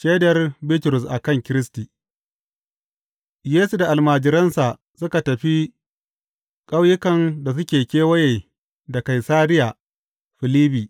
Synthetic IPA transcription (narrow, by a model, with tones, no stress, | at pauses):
ʃeː˦dɐ˨rbi˦tʊ˨ɾʊ˨s̬ʔa˨kɐ˦˨ŋkʲɪ˦ɾɪ˦stiː˨ | jeː˦su˨da˨ʔa˨lmaː˨d͡ʒɪ˨ɾɐ˦nsa˨ʔ | sʊ˦ka˨tɐ˨ɸi˦ | kʼa˦wjɪ˦kɐ˨nda˨s̬ʊ˦kʲeː˨kʲeː˦wɐ˦jeː˨ | da˨ka˨jsaː˦ɾɪ˦ja˨ | ɸɪ˨liː˦biː˨